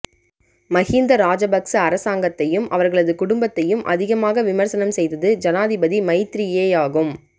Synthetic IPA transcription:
mɐɣiːnd̪ɐɾaːd͡ʒɐbɐksɐɐɾɐsaːŋɡɐt̪ːɐjɯmʔɐʋɐɾɣɐɭɐðɯkʊɽʊmbɐt̪ːɐjɯmʔɐ̰ðɪɣɐmaːɣɐʋɪmɐɾsɐnɐmsɛjðɐðɯd͡ʒɐnaːðɪbɐðimɐɪt̪ɪɾɪjeːaːɣɯm

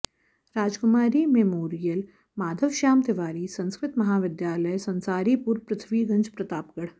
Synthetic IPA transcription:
ɾaːd͡ʒkʊmaːɾimɛmoːɾijəl | maːd̪ʱəʋʃaːmt̪ɪʋaːɾiːsɐ̃nskɾɪt̪mɐɦaːʋɪd̪jaːləjsɐ̃nsaːɾipuɾpɾɐt̪ʰʋiːɡɐ̃nd͡ʒpɾɐt̪aːpɡəɽ

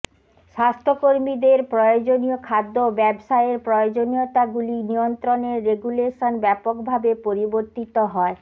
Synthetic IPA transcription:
ʃast̪ʰokoɾmid̪eɾpɾɔjod͡ʑonijokʰad̪ːobɛbʃaeeɾpɾɔod͡ʑoniot̪aɡulinijont̪ɾoneɾːeɡuleʃonbɛpokbʱabepoɾiboɾt̪it̪oɦɔe

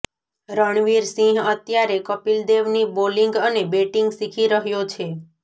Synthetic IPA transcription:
ɾəɳ̃ʋiɾsĩɦət̪jaɾekəpild̪eʋniboliŋɡənebeʈiŋɡsikʰiɾəɦjot͡ʃʰe

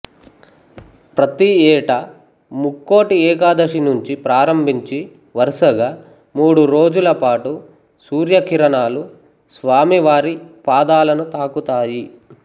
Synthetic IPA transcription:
pɾɐt̪iɛːʈɐ | mukːo̞ːʈiɛːk̬aːd̪ɐʂinuɲt͡ʃipɾaːɾɐmbʱiɲt͡ʃi | ʋɐɾʂɐɡaː | muːɽuɾo̞ːd͡ʒulɐpaːʈu | suːɾjɐkiɾɐnaːlu | sʋaːmiʋaːɾipaːd̪aːlɐnut̪aːkut̪aːji

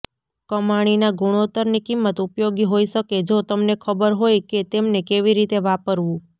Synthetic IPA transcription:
kəmaɽ̃inaɡuɽ̃ot̪əɾnikimːət̪upjoɡiɦoiʃəked͡ʒot̪əmnekʰəbəɾɦojket̪emnekeʋiɾit̪eʋapəɾʋũ

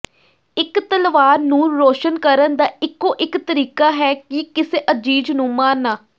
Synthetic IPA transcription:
ɪkt̪əlʋaːɾnũːɾoːʃənkəɾənd̪aːɪkːõːʔɪkt̪əɾiːkaːɦɛːkikɪseːʔəd͡ʒiːd͡ʒnũːmãːnːaː

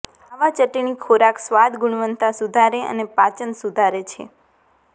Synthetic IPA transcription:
aʋat͡ʃəʈiɳ̃ikʰoɾaksʋad̪ɡuɳ̃ʋənt̪asud̪ʱaɾeə̰nepat͡ʃənsud̪ʱaɾet͡ʃʰḛ

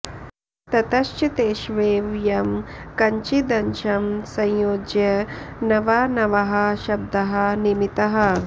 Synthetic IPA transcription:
t̪ɐt̪ɐʃt͡ʃit̪eːʃʋeːʋjɐmkɐɲt͡ʃid̪ɐnʃɐmsɐ̃jjoːd͡ʒjɐnɐʋaːnɐʋɐɦɐʃɐb̚d̪ɐɦɐnimit̪ɐɦɐ

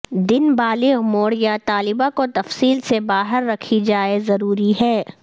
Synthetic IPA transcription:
d̪ɪnbaːleʊmoːɽjat̪aːlɪbakot̪ɐfsiːlsebaːɦəɾːɐkʰid͡ʒaːezɐɾuːɾiɦɛː

